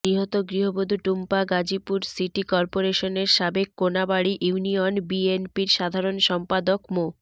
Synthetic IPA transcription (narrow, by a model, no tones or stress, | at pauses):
ɾiɦot̪oɡɾiɦobod̪ʱuʈumpaɡad͡ʑipuɾsiʈikɔɾpoɾeʃoneɾʃabekːonabaɽiʔunionbienpiɾʃad̪ʱaɾonʃɔmpad̪okmo